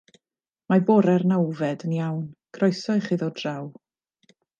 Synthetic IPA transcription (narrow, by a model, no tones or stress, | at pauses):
mabɔɾɛrnawvɛdənjawnɡ̥ʰrɔjsɔɨχiːðɔdraw